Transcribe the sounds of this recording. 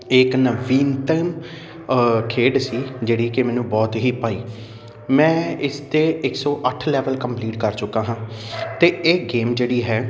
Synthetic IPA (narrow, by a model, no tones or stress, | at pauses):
ɪknəʋiːnʈɛːm | kʰeːɖsiːd͡ʒeːɽiːkɪmɛ̃ːnũːbɔːt̪ɦiːpaːiː | mɛ̃ːɪst̪eːɪksɔːʔəʈʰlɛːʋəlkəmpliːʈkəɾt͡ʃʊkːãːɦãːt̪eːeːɡeːmd͡ʒeːɽiːɦɛː